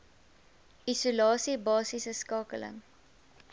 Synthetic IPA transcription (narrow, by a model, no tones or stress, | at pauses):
ʔisulɑːsibɑːsisəskɑːkələ̰ŋ